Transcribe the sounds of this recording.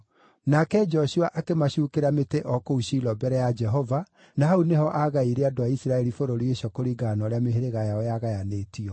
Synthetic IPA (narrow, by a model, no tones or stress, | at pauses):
nakɛd͡ʒɔɕuaʔakemaɕukeɾameteʔɔkouʃilɔbɛɾɛjad͡ʒɛɦɔva | nahaunehɔʔaɣaiɾeadoaisiɾaɛɾifoɾoɾieɕɔkoɾiɡanɔɾeameɦeɾeɣajaɔjaɣajanetiɔ